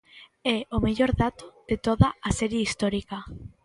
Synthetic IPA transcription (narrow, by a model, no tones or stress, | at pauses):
ɛomeʎoɾðat̪oðet̪oðaasɛɾjeist̪oɾika